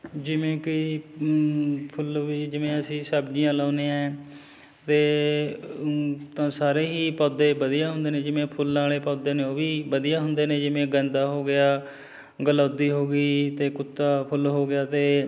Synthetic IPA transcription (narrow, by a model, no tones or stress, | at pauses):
d͡ʒɪʋẽːkɪ | pʰʊlʋiːd͡ʒɪʋẽːəsĩːsəbd͡ʒijãːlaːneːãɛɛː | t̪eː | t̪ãːsaːɾeːɦiːpɔːd̪eːbəd̪ijaːɦʊ̃nd̪eːnẽːd͡ʒɪʋẽːpʰʊlnaːleːpɔːd̪eːneoːʋiːbəd̪ijaːɦʊnd̪eːneːd͡ʒɪʋẽːɡɛ̃ːnd̪aːɦoːɡɪjaː | ɡəlaːd̪iːɦoːɡiːt̪eːkʊt̪ːaːpʰʊlɦoːɡɪjaːt̪eː